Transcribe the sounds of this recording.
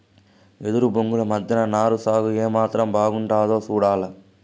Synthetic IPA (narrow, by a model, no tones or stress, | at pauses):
ɛðɯɾɯbʊŋɡɯɭmɐd̪ːɪnɐnaːɾɯsaːɣɯeːmaːt̪ɾɐmbaːɣɯɳɖaːðoːsuːɽaːlɐ